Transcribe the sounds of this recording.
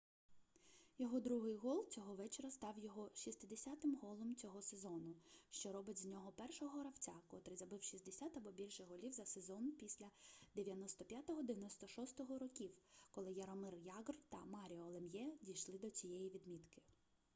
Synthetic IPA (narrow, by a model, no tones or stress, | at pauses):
jɔɦɔd̪ɾuɦɪjɦɔlˠt͡sʲɔɦɔʋɛt͡ʃeɾɐst̪ɑwjɔɦɔʃist̪ɪd̪esʲat̪ɪmɦɔlˠɔmt͡sʲɔɦɔsezɔnʊʃt͡ʃɔɾɔbɪtʲzʲnʲɔɦɔpɛrʃɔɦɔɾɐwt͡sʲakɔt̪ɾɪzɐbɪwʃizʲd̪esʲat̪ɐbɔbʲilʲʃɛɦɔlʲiwzɐsezɔnpʲisʲlʲɐd̪eʋʲjɐnɔst̪ɔpʲjat̪ɔɦɔd̪eʋʲjɐnɔst̪ɔʃɔst̪ɔɦɔɾɔkʲiwkɔlˠɪjɐɾɔmɪrjɑɡɔrt̪ɐmɑɾʲiɔːlˠemjɛdʲijʃlˠɪd̪ɔt͡sʲijɛjiʋʲid̪mʲit̪kɪ̥